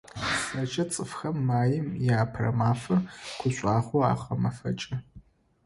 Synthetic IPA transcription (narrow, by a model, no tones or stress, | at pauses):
sɐt͡ʃʼɐt͡sʼɨfxɐmːaːjɪmjaːpʰrɐ̰maːfɐrkʷʰʊɕʷʼaːχʷoa̰ːχʷɐmɐfɐ̰t͡ʃʼɐ